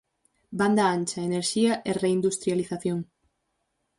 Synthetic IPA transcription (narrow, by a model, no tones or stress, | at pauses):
band̪ɐant͡ʃɐeneɾʃiɐʔereind̪ust̪ɾjaliθaθjoŋ